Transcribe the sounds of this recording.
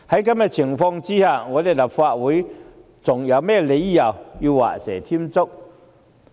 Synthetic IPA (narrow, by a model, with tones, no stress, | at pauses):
hɐ˨˦˥jka˧˥mɛ˧t͡ɕʰɪ˨˩ŋfɔ˧ŋt͡si˥haː˨˧ŋɔː˨˧d̪e˨˩jla˨˩p̚faː˧t̚wuː˨˦j | t͡sʊ˨˩ŋjɐ˨˧wmɛː˥˩le˨˧˦jjɐ˨˩wji˧wa̰ː˨sɛ̰ː˨˩t̪ʰi˦˥mt͡sʊ˥k̚